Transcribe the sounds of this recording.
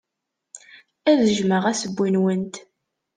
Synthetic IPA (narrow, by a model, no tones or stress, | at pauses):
æðəʒməʁæsəbʷːinwənt̪